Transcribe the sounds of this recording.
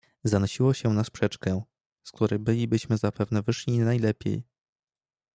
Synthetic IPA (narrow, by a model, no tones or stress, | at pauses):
zanɔɕiwɔɕɛnaspʂɛt͡ʂkɛ | sk̚t̪uɾɛjbɘlʲibɘɕmɘzapɛvnɛvɘʂlʲinajlɛpʲjḛj